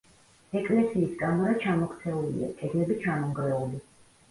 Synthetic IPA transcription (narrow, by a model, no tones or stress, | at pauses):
ɛkʼlɛsiːsɡʼamaɾat͡ʃʰamɔkʰt̪sʰɛulḭa̰kʼɛd̪lɛbit͡ʃʰamɔŋɡɾɛudi